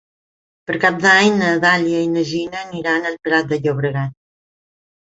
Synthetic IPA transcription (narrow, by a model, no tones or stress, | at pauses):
pəɾkap̚d̪aɲnəðaljəinəʒinəniɾanəlpɾat̪̚d̪əʎoβɾəɣat̪̚